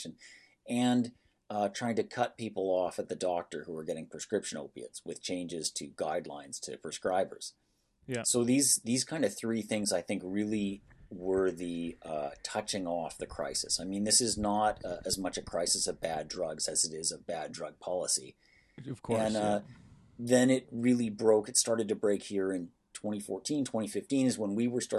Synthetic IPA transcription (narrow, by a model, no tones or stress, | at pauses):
ʃɨ̃n | ɨ̃n | ʌtʰɹ̥aɪɪ̃ŋtɨkʰʌt̚pipl̩ˠɔfɨt̪̚ðɨdɔk̚tə˞huə˞ɡɛɾɪ̃ŋpʰɹ̥ɨskɹɪpʃɨ̃no̰ʊpiɨ̰tswɨð̥t͡ʃʰẽɪ̃nd͡ʒɨz̥tʰɨɡaɪdˡlã̰ɪ̃nz̥tʰɨpʰɹ̥ɨskɹaɪbə̰˞z̥ | soʊðizðiz̥kʰãɪ̃ndʌv̥θɹiθɪ̃ŋzaɪθɪ̃ŋkɹɪlˠiwɜ˞ðiʌtʰʌt͡ʃɪ̃ŋɔfðɨkʰɹ̥a̰ɪsɨ̰saɪmĩnðɪsɨznəɾʌʔɨzmʌt͡ʃɨkʰɹ̥aɪsɨsʌvbædɹʌɡzɨzɨɾɪzʌvbædɹʌɡ̚pʰɑlˠəsḭ | v̥kʰɨ̃nnʌ | ðɨ̃nɪt̚ɹɪlˠibɹoʊkɨtstɑɹɾɨd̚tɨbɹeɪkhiɹɨ̃n | tʰw̥ɛ̃ɾ̃ifɔɹtʰĩntʰw̥ɛ̃ɾ̃ifɪftĩnɨzwə̃nwiwə˞stɑ